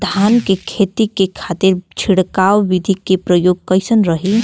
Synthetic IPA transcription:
d̪ʱankekʰet̪ikekʰat̪iɾt͡ʃʰiɽkawʋid̪ʱikepɾəjoːɡ̚kəɪsənɾəɦi

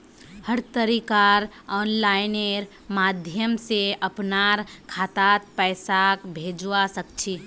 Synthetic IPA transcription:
həɾt̪əɾikaɾ | ɔːnlaɪneɾ | mad̪ʱjəmseʔəpnaɾkʰaːt̪at̪̚pɛɪsakbʱed͡ʒwasəkt͡ʃʰi

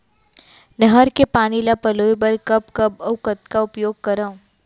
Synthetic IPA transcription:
nəɦəɾkepaːnilapɐloːjbɐɾkɐpkɐbɐʋkət̪kaʊpjoːɡ̚kɐɾaõ

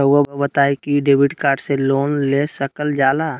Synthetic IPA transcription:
əwabəbət̪aːikiɖeːbɪʈkaːɾɖseloːnlesəkəld͡ʒaːla

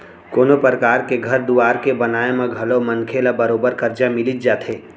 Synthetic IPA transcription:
koːnopɾəkaːɾkeɡʱɐɾd̪uʋaːɾkebɐnaːemẽɡʱɐlomɐ̃nkʰelabɐɾoːbəɾkɐɾd͡ʒamɪlɪt̪̚d͡ʒaːt̪ʰeː

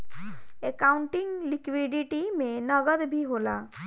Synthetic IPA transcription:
ekawɳʈiŋlikwiɖiʈimẽnʌɡəd̪bʱiɦola

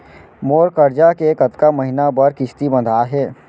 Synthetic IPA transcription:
moːɾkəɾd͡ʒakeːkət̪kaməɦɪnabəɾkɪʃt̪ibə̃nd̪ʱaːɦɛː

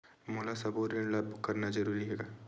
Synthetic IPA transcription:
moːlasɐboɾẽɳɖlɐbʱkɐɾnazɐɾuːɾiɦeːɡaː

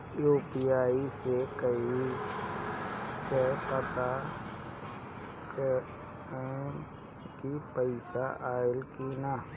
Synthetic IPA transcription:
joːpijaːisekəi | sepət̪a | k | kipəɪsaʔaːɪlkina

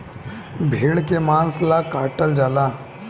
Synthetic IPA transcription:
bʱeːɭkemãːnslakaːʈəld͡ʒaːla

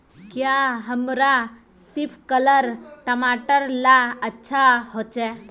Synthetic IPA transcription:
kjaɦəmɾa | sifkələɾʈəmaʈəɾlaətːɕʰaɦɔt͡ɕɛ

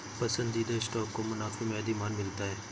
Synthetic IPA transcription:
pɐsə̃nd̪iːd̪aɪsʈaːkːomʊnaːfimẽːd̪imaːnmɪlt̪aɦɛː

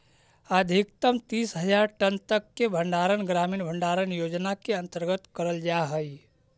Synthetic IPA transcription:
əd̪ʱikt̪əmt̪iːsɦəd͡ʒaɾʈənt̪əkːebʱəɳɖaɾənɡɾamiːnbʱəɳɖaɾənjod͡ʒnakeə̃nt̪əɾɡət̪kəɾəld͡ʒaɦəj

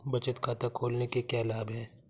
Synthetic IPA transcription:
bɐt͡ʃət̪kʰaːt̪akʰoːlnekekjaːlaːbɦɛ̃ː

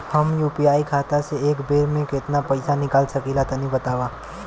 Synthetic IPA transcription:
həmjuːpijaːikʰaːt̪aseeːkbeːɾmẽkɪt̪napəɪsanɪkaːlsəkilat̪ənĩbət̪aːʋa

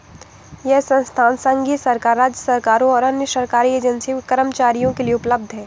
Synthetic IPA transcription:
jɛɦsɐ̃nst̪ʰaːnsə̃ŋɡisɐɾkaːɾaːd͡ʒjəsɐɾkaːɾõɔːɾɐnjəsɐɾkaːɾieːd͡ʒənsikəɾəmt͡ʃaːɾijõkelieʊpləb̚d̪ʱɦɛ̃ː

